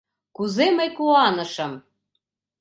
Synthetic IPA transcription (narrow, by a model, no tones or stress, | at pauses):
kuzeməjkuɑnɤ̆ʃə̆m